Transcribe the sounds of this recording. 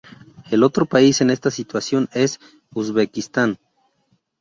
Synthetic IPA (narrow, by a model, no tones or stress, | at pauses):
e̞lo̞t̪ɾopaise̞ne̞st̪asit̪wasjo̞ne̞s | uzβekist̪an